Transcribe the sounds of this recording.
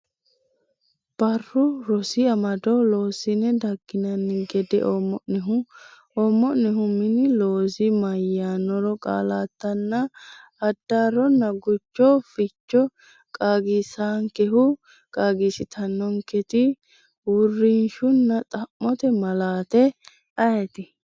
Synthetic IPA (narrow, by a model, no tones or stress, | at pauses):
b̥ɐrːʊɾɔsɪɐmɐd̪ɔloːsɪnɛd̪ɐɡːɪnɐnːɪɡɛd̪ɛ̰ʔɔmːɔʔnɛɦʊ | ɔmːɔʔnɛɦʊmɪnɪloːsɪmɐjːaːnɔɾɔkʼa̰ːlaːt̪ːɐnːɐ | ɐd̪ːaːɾɔnːɐɡʊt͡ʃːɔfɪt͡ʃːɔ | kʼaːɡɪsaːŋkɛɦʊ | kʼaːɡisɪt̪ʰɐnːɔŋkɛt̪ɪ | wʊrːɪnʃʊnːɐt̪ʼɐmːɔt̪ɛmɐlaːt̪ɛ | ɐjɛt̪ɪ